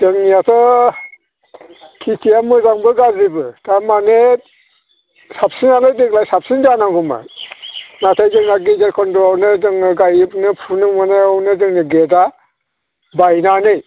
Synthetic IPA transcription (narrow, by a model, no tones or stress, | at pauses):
d̥ɯŋniatʰɔ | kʰitʰiamɯzaŋbɯɡazibɯtamane | sap̚sinalɯjdeklajsap̚sind͡ʒanaŋɡɔmɯ̰ | natʰajdɯŋaɡid͡ʒeɾkʰɔndɔɔwnɯdɯŋnɯɡajbnɯpʰunɯmɯnɔwnɯdɯŋniɡeda | bajnanɯj